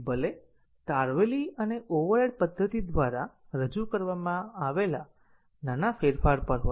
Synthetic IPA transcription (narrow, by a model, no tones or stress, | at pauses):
bəle | t̪aɾʋeliəneʔoʋəɾeɽpəd̪ʱːət̪id̪ʋaɾa | ɾəd͡ʒukəɾʋamãaʋela | nanafeɾfaɾpəɾɦo